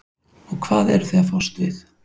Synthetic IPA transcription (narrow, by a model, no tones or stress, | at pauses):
ɔɣkʰvaːðɛɾθɛafɔwst̪vɪθ